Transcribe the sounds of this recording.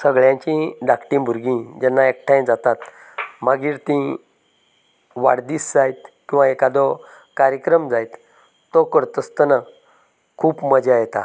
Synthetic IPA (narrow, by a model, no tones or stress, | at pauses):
səɡɭjãɲt͡ɕĩɖakʈĩbʱuɾɡĩd͡ʑɛnːaek̚ʈʰãjd͡zat̪at̪ | maɡiːɾt̪ĩ | ʋaɽd̪iːsd͡zajt̪kĩw̃ʋaekad̪ɔ | kaɾjəkɾəmd͡zajt̪ː | ɔkəɽt̪əst̪əna | kʰuːpməd͡ʑajt̪a̰